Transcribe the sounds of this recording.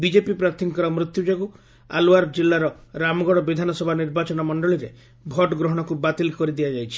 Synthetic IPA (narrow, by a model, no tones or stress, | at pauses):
bid͡ʒepipɾat̪ʰiŋkɔɾɔmɾut̪jud͡ʒɔku | a̰luaɾɔd͡ʒilːaɾɔɾamɔɡɔɽɔbid̪ʱanɔsɔbʱaniɾbat͡ʃɔnɔmɔɳɖɔɭiɾe | bʱɔʈɡɾɔɦɔɽ̃ɔkubat̪ilkɔɾid̪iad͡ʒajt͡ʃʰi̥